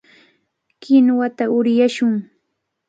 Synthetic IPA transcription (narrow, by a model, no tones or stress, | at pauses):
kɪnwat̪aʊɾjaʃʊŋ